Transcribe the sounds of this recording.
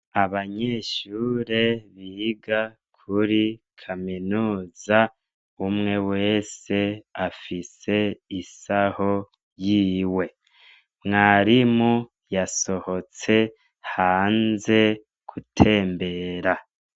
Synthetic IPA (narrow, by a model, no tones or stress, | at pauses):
aβaɲe̞ːʃuːɾe̞βiːɡa | kʰuɾikʰaminuːza | umŋe̞we̞ːse̞afise̞isaho̞ | jiːwe̞ | mŋaɾimu | jaso̞ho̞t͡se̞ | haːnze̞ | kʰutʰe̞ːmbe̞ːɾa